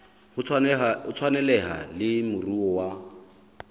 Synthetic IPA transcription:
hʊʊt͡sʰwanɛlɛɦa̰lɪmʊruɔwa

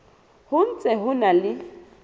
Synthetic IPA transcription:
hʊn̩t͡sʼɛɦʊnalɪ

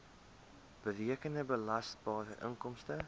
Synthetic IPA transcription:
b̥əriəkəndəbəlɐstbɑːɾəʔə̰ŋkɔmstə

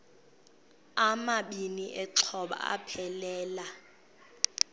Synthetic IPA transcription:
amaɓiniʔɛǀʰɔɓa̰a̰pʰɛlɛːla

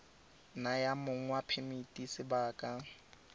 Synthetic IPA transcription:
najamʊŋ̩wapʰemitʼisɪbaːkʼa

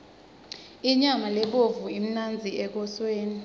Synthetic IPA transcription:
iɲamalɛɓovuim̩nand͡zʱiɛk̬ɔsweːni

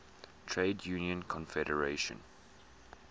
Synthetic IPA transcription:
tʰɹeɪdjuːniə̃nkʰɔ̃nfɛɾəɹeʃə̰̃n

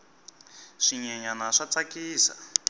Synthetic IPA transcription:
ʂiɲɛɲanaʂat͡sakiːsa̰

